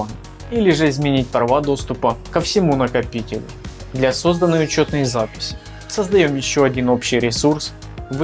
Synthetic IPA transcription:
ilʲɪʐɨɪzmʲɪnʲit̚ʲpɾɐvad̪o̞st̪ʊpəkəfsʲɪmunəkɐpʲitʲɪlʲʊ̰ | d̪lʲɐso̞zd̪ənːɨjʊt͡ɕo̞t̪nɨjzapʲɪ̥sʲɪ̥ | səzd̪ɐjomjɪɕːoɐdʲino̞pɕːɪjɾʲɪsurs | v

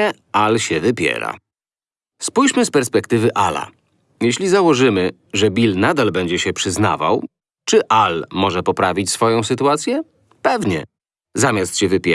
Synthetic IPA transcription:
ɛ | alɕɛvɘpʲjɛ̰ɾa̰ | spujɕmɘspɛɾspɛkt̪ɘvɘʔala̰ | jɛɕlʲizawɔʐɘmɘ | ʐɛbʲilnad̪albɛɲd͡ʑɛɕɛpʂɘzna̰va̰w | t͡ʂɘʔalmɔʐɛpɔpɾavʲit͡ɕsfɔjɔ̃w̃sɘt̪uat̪sʲjɛ | pɛvɲɛ̰ | zamʲjast̪ɕɛvɘpʲɛ

